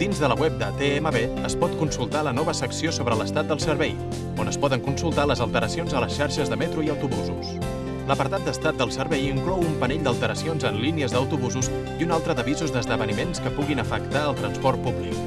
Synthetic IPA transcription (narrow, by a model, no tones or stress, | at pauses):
d̪̥inzðələwɛp̚d̪ət̪eeməβeəspɔt̪kunsulˠt̪alənɔβəsəksiosoβɾələst̪at̪̚d̪əlˠsəɾβɛj | onəspɔðəŋkunsulˠt̪aləzəlˠt̪əɾəsionzələsʃaɾʃəzðəmɛt̪ɾuiəwt̪uβuzus | ləpəɾt̪at̪̚d̪əst̪at̪̚d̪əlˠsəɾβɛjiŋklɔwumpənɛʎd̪əlˠt̪əɾəsionzənliniəzðəwt̪uβuzus | iunalˠt̪ɾəðəβizuzd̪əzðəβənimenskəpuɣinəfəkt̪aəlˠt̪ɾənspɔrt̪̚puβlḭk